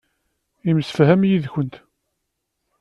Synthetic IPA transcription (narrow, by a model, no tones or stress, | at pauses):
iməsə̥fɦæmjiðçənt̪